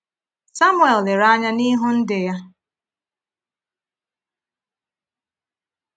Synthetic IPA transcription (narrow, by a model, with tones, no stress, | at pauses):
sa˦mʊ˦e˨lːɪ˨ɾa˦ɲa˦ni˦ɦʊ˦n̩˦dɪ˨ja˦